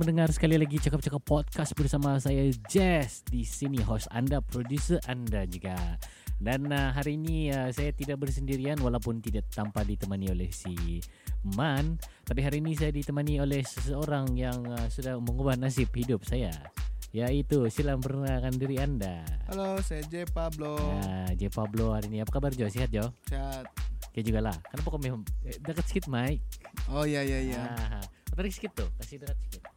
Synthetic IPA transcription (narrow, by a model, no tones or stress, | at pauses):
məndəŋarsə̥kalilaɡit͡ʃakap̚t͡ʃakapːɔt̪̚kas̚bərsamasajad͡ʒɛsdisiniɦɔsa̰ndapɾodjusərʔandad͡ʒuɡa | danəɦaɾiːniəsajat̪idak̚bərsəndiɾianwalawpʊnt̪idaʔt̪ampadit̪əmaniolɛhsi | mant̪apiɦaɾiːnis̬ajadit̪əmaniolɛhsəsəoɾaŋjaŋəsudahməŋubahnas̬ɪp̚hidʊp̚saja̰ | jait̪usilampərnakandiɾiandahalosajad͡ʒepabload͡ʒepablohaɾiːniapakabard͡ʒawsiɦat̪̚d͡ʒasiɦat̪̚iad͡ʒuɡalahkərnap̬okomemdakət̪̚sə̥kɪt̪̚maiojajaiaɦaot̪aɾiksə̥kɪt̪ːʊhk̪asɪdakət̪̚sə̥kɪt̪̚